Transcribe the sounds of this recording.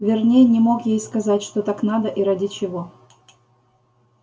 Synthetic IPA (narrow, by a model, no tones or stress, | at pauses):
vʲɪrnʲejənʲɪmo̞kjejskɐzatʲʂt̪ot̪aknad̪əʔiɾadʲɪt͡ɕɪvo